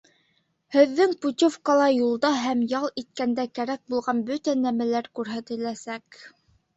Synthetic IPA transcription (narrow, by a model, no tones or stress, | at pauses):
hɘ̆ðːɘŋput̪ʲofkɑlˠɑjulˠd̪ɑɦæmjɑlˠit̪̚kænd̪ækæɾæk̚bulˠʁɑnbɵt̪ænæmælæɾkʉɾɦæt̪ɘ̆læsæk